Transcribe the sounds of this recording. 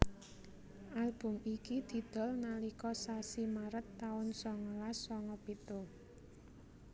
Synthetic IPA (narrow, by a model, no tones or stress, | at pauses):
ʔalb̥ʊ̤mikid̪̥i̤d̪̥ɔ̤lnalikɔsasimaɾət̪ːaʊnsɔŋɔlasɔŋɔpit̪o